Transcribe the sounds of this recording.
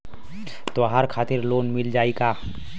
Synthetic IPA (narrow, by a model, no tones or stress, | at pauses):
t̪oɦaːɾkʰaːt̪ɪɾloːnmɪld͡ʒaːiɡaː